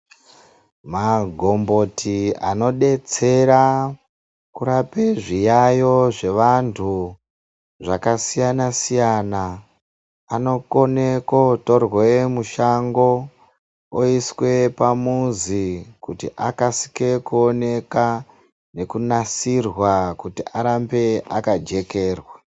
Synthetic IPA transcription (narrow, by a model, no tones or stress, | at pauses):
maɡʱo̞mbo̞tʰia̰no̞ɗe̞t͡se̞ɾa | kuɾapeʐijajo̞ʐe̞ʋantʰu | ʐakasijanasijanaː | no̞ko̞nekoto̞rwe̞muʃaŋɡo̞ | oiswe̞pamuzikutiʔakasi̥ke̞kuone̞ka | ne̞kunasirwakutiʔaɾambe̞akad͡ʒe̞ke̞ːrwa